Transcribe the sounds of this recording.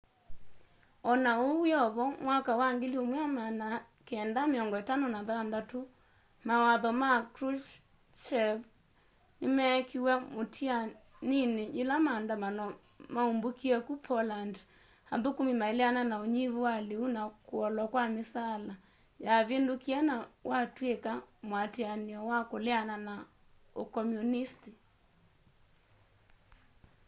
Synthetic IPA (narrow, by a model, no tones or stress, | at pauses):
ɔnaowiɔβɔmwakawaŋɡeliomwjamana | keɛndameɔŋɡɔetanonaðandato | mawaðɔmakɾuʃ | t͡ʃɛv | nemɛkʰiwɛmotʰia | nineʔelamandamanɔ | maumbukiɛkupʰɔland | haðukumimaelɛananaoɲivuwaleunakuɔlwakwamesala | jaβendukianawʔatwekamwatianiɔwakolɛanana | o̰kɔmjunisti